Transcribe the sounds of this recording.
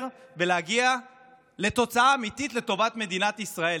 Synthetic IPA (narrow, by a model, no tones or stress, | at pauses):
ʁve̞leaɡia | le̞t̪o̞t͡saaːmit̪it̪le̞t̪o̞vat̪me̞d̪inat̪isʁae